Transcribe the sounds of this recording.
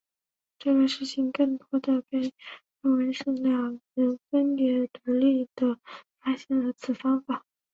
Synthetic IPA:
ʈ͡ʂɤ˥˩ɡə˩ʂɻ̩˥˩t͡ɕʰi˧˩˥ŋkɤ˥˩ŋt̪wɔ˥d̪ə˨˩kə˥nʈ͡ʂo˥˩wə˧˥nʂə˥˧ŋljɑ˥˩ŋɻə˧˥nfə˥npjɛ˧˥t̪u˧˥li˥˩d̪̥ə˩fa˥ɕjɛ˥˩nd̪ə˩t͡sʰɹ̩˨˩fɑ˥ŋfa˨˩˦

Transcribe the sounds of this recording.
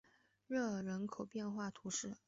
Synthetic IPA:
ɻɤ˥˩ɻə˧˥nkʰo˨˩ʊpjɛ˥˧nxwa˥˩t̪ʰu˧˥ʂɻ̩˥˩

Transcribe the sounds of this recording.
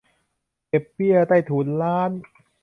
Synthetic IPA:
ke˨˩pːi˥˩ət̪aː˥˩jt̪ʰuː˨˩˦nlaː˦˥n

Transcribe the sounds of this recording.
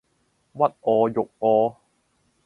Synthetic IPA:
wɐ˥t̚ʔɔː˧jʊ˨k̚ʔɔː˨˧

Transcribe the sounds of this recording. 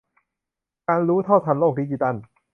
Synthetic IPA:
kaː˧nɾuː˦˥t̪ʰɔ˥˩wt̪ʰa˧˩nloː˥˩k̚iː˧t͡ɕi˧t̪a˥˩n

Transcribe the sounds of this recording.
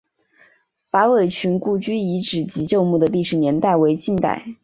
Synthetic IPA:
fa˧˥we˨˩ɪt͡ɕʰy˧˥nku˥˩t͡ɕy˥i˧˥ʈ͡ʂɻ̩˨˩t͡ɕi˧˥t͡ɕjo˥˧ʊmu˥˩d̪ə˩li˥˩ʂɻ̩˨˩njɛ˧˥nt̪a˥˩ɪwe˧˥ɪt͡ɕi˥˧nt̪a̰˥˩ɪ

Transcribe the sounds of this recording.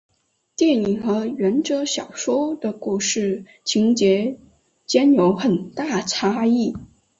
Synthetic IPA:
t̪jɛ˥˩ni˨˩ŋxɤ˧˥ɥɛ˧˥nʈ͡ʂɤ˥ɕjɑ˨˩ʊʂwɔ˥d̪ə˨ku˥˧ʂɻ̩˥˩ | t͡ɕʰi˧˥ŋt͡ɕjɛ˧˥ | t͡ɕjɛ˥njo˧˥ʊxə˨˩nt̪a˥˩ʈ͡ʂʰa˥i˥˩

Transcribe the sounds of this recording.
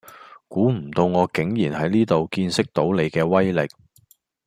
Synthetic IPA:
kuː˨˥m̩˨˩t̪o˧wŋɔː˨˧kɪ˨˥ŋjiː˨˩nhɐ˨˥jniː˥t̪o˨wkiː˧nsɪ˥k̚t̪o˨˥wne˨˧jkɛː˧wɐ˥jlɪ˨˩k̚

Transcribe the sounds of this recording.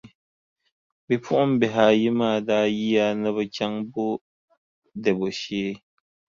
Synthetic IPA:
bi˨pʰʊ˦ʔʊ˦m˦bɛ˨ɦaː˨ji˦maː˦˨daː˦ji˦ja˦nɨ˦bɨ˦kʲa˦ŋbʊ˦ | dɛ˨bo˨ʃeː˦

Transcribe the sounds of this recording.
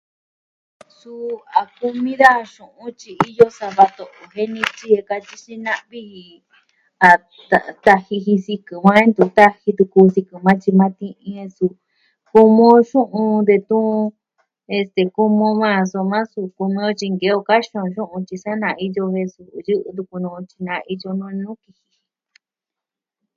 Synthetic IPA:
su˧a˨ku˧mĩ˦ða˦˧ʃũ˨ʔũ˧˦t͡ʃi˧i˦˧jo˦sa˧βa˧t̪o˨ʔo˨ɦe˦nĩ˧t͡ʃi˧˦e˧ka˧t͡ʃi˦ʃi˧nã˦ʔβi˦hi˧ | a˨ | t̪a˧t̪a˧hi˧hi˧si˧kɨ˨mã˦e˦nd̪u˧t̪a˦hi˧t̪u˧kuː˧si˧kɨ˨mã˦t͡ʃi˧mã˦t̪ĩ˦˧ʔĩ˧e˧su˧ | ku˧mõ˧ʃũ˦ʔũ˧nd̪e˧t̪ũ˦˧ | e˧st̪e˨ku˧mõ˧mã˦˧˨so˧mã˦su˧ku˧mĩ˧o˧t͡ʃi˧ŋɡe˧˦o˧ka˦ʃõ˧ʃũ˦ʔũ˧t͡ʃi˧sa˦nã˧i˧jo˧he˧su˧jɨ˦ʔɨ˧t̪̬u˧ku˧nũ˧t͡ʃi̥˧nã˧i˧jo˧nũ˧nũ˦ki˧hi̥˧

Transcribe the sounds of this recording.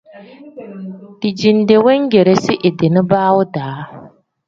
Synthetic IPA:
d̥ɪ˨d͡ʒi˨n˨˦de˨wɛ˦ŋ˦ɡe˨ɾe˦sɪ˦ʔɪ˨de˨nɪ˦baː˦wʊ˦daː˨˦

